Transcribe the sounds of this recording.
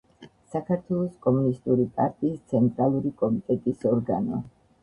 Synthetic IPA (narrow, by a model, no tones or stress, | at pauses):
sakʰaɾt̪ʰwɛlˠɔskʼɔmunist̪ʼuɾipʼaɾt̪ʼiːst̪sʰɛnt̪ʼɾalˠuɾikʼɔmit̪ʼɛt̪ʼisɔɾɡa̰nɔ̰